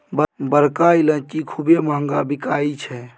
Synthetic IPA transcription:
bbəɾkailə̃nt͡ʃikʰubemaəŋɡabikaːit͡ʃʰɛ

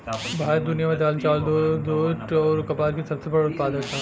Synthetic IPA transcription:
bʱaːɾd̪ʊnijamãd͡ʒaːlt͡ʃaːld̪od̪oːʈɔːɾkɐpaːɾkisɐbsebɐɽaʊt̪̚paːd̪əkt̪ʰaː

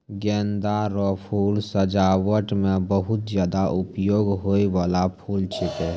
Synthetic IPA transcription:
ɡɛnd̪aɾɔpʰuːlsəd͡ʒawəʈmebəɦut̪̚d͡ʒjaːd̪aʔupjoːɡɦoiʋalapʰuːlt͡ʃʰɪt̪e

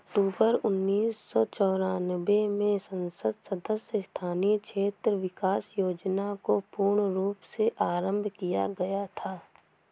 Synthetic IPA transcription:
ɐkʈuːbəɾʊnːiːsːɔt͡ʃɔːɾaːnwemẽsɐ̃nsəd̪sɐd̪əsjəst̪ʰaːnikʃʰeːt̪ɾəʋɪkaːsjoːd͡ʒnakopuːɾɳɾuːpseʔaːɾə̃mbʱkija̰ɡɐjat̪ʰaː

